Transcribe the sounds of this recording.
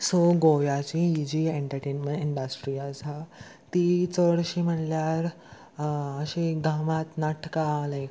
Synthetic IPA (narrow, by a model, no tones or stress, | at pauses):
soɡojat͡ɕiid͡ʑieɳʈəɾʈenmẽʈeɳɖasʈɾiasa | t̪it͡səɽɕim̤əɳljaɾ | əɕeɡãmat̪naʈʰkalə̃